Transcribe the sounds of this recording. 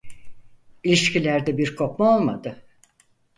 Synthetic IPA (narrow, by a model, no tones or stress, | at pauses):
ilʲiʃcʰilʲæɾd̪ɛbiɾkʰo̞pmao̞lˠmad̪ɯ